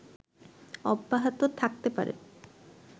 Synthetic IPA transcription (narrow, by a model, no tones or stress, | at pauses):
ɔbːaɦat̪ot̪ʰak̚t̪epa̰ɾḛ